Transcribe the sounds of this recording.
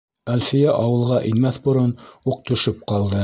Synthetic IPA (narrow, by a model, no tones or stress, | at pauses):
ælfijæʔɑwɤ̆lˠʁɑʔinmæθbŏɾɤnuq̚t̪ɵ̆ʃɵp̚qɑlˠd̪ɤ